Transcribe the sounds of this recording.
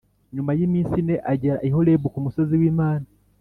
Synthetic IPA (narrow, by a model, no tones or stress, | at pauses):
ɲumajimiːnsine̞ʔaɟeɾa̰ʔiɦo̞lebukumusoziwiːmaːna